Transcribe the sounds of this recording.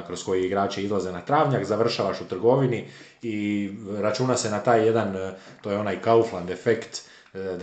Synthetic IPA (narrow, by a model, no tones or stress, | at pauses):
kɾo̞sko̞jiiɡɾaːt͡ʃeizlˠaze̞nat̪ɾaːʋɲakzaʋr̩ʃaːʋaʃut̪r̩ɡo̞ʋini | iɾat͡ʃuːnase̞nat̪aːjːe̞d̪an | t̪oːjeo̞najkauflˠand̪efekt̪